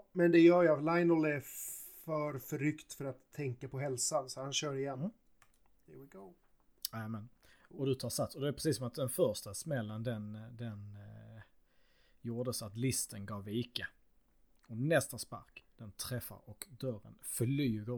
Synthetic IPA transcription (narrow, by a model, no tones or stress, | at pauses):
mɛnd̪ɛjœːjalajnɔlɛɾfœɾfœɾʏkt̪fœɾat̪ʰːɛŋkapʰɔɦɛlsansɔhanɕœːɾɪjɛn | d̪ɛwɪɡoʊ | ɛmɛnɔd̪ɵt̪ʰɑːsat̪sɔd̪ɛæːɾpʰɾɛsiːsːɔmat̪̚d̪ɛnfœɾʂt̪asmɛlːənd̪ɛnd̪ɛn | juːɖ̪əsɔat̪lɪst̪ənɡɑːviːkə | ɔnɛst̪aspa̰ɾkd̪̥ɛnt̪ʰɾɛfːa̰ɾɔkd̪œɾə̰nfœɭyːɡə